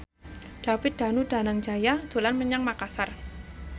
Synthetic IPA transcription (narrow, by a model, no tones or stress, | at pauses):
ɖ̥afɪt̪̚d̪̥a̤nud̥a̤naŋd͡ʒajad̪̥o̤lanməɲaŋmakasar